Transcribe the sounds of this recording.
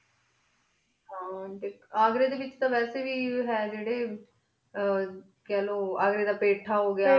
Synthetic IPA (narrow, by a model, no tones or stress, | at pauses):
ɦãːt̪eːaːɡɾeːd̪eːʋɪt͡ʃt̪ãːʋɛːseːʋiːɦɛːd͡ʒeːɽeː | kɛːloːaːɡɾeːd̪aːpeːʈʰːaːɦoːɡɪjaː